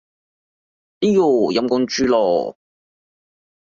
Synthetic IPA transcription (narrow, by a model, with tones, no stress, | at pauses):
i˦˥jo˨˩jɐ˧˥mkɔ˥˧nt͡ʃyː˥lɔː˨˩